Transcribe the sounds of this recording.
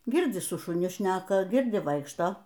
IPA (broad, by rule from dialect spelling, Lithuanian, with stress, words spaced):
ˈɡʲɪrʲd͡zʲɪ sʊ ʃʊˈnʲɪ ˈʃʲnʲæːkɐ ˈɡʲɪrʲdʲɪ ˈʋɐɪkʃtoː